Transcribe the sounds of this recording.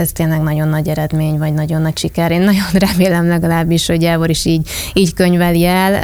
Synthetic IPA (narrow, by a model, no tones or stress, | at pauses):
ɛst̪eːnlɛɡnɒɟo̞nːɒɟɛɾɛd̪meːɲvɒɟnɒɟo̞nːɒcʃikɛɾeːnːɒɟo̞nrɛmeːlɛmlɛɡɒlaːbːiʃho̞ɟːaːvoɾiʃiːɟiːɟkøɲvɛliɛl